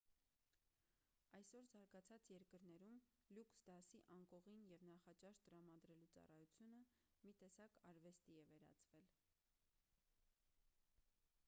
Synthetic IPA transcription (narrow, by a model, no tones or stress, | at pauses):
ɑjsɔɾzɑɾɡɑt͡sʰɑt͡sjɛɾkəɾnɛɾum | luksd̪ɑsiʔɑŋkɔʁinjɛvnɑχɑt͡ʃɑʃt̪əɾɑmɑd̪ɾɛlut͡sɑ̰rɑjut͡sʰjunə | mit̪ɛsɑkʰɑɾvɛst̪iɛvɛɾɑ̰t͡svɛl